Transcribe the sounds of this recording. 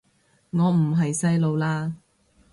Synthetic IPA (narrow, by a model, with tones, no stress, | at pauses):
ŋɔː˨˧m̩˨˩ɦɐ˨jsɐ˥jlo˨˧wlaː˥